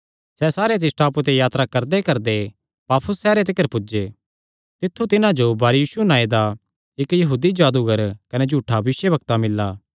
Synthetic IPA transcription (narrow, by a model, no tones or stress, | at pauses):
sɛsaːɾet̪̬ɪsʈaːput̪̬ejaːt̪ɾakɐɾd̪ekɐɾd̪e | paːpʰʊsːɛːɾet̪̬ɪkːəɾpʊd͡ʒe | t̪ɪt̪ʰːut̪ɪnãd͡ʒobɐːɾjiːsunãːed̪a | ɪkjɐɦuːd̪id͡ʒaːd̪uɡəɾkɐned͡ʒʱuːʈʰaʋʋɪʃjəbɐk̚t̪amɪlːaː